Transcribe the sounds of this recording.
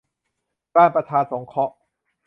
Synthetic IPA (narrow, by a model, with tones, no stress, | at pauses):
kaː˥˩npɾa˧t̪ʰaː˧nso˩˦ŋkʰɔ˦˥ʔ